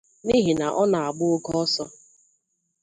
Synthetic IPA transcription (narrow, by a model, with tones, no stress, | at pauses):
ni˦ɦi˨na˨ʔɔ˦na˨a˨ɡ͡bʊ˦ʊ˦ɡɔ˦ɔ˦sɔ˦